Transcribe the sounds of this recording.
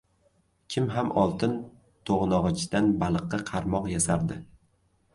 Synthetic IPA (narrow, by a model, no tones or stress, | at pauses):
kʲʰɪmɦamʔɒlˠt̪ʰɪn | t̪ʰoʁnɒʁɨt͡ʃʰd̪anbalˠɨqːɑqʰɑɾmɒqjasaɾd̪ɪ